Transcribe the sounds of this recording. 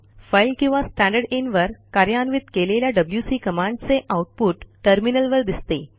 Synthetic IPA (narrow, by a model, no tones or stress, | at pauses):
fajlkĩw̃ʋasʈæ̃ɳɖəɾɽenʋəɾkaɾjanʋit̪keleljaɖəbljusiːkəmãɳɖt͡seʔawʈ̚puːʈːəɾminəlʋəɾd̪ist̪e